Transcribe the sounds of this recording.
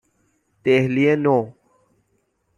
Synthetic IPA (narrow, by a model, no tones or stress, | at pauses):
t̪eːhliẽnoː